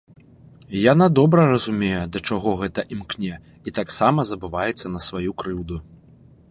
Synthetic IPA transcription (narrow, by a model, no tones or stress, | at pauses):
janad̪ɔbɾɐrɐzumʲejɛd̪ɐt͡ʂaɣɔɣɛt̪ɐʔimknʲɛ | it̪aksamɐzɐbɨvajɛt̪sːɐnɐsvajukɾɨwd̪u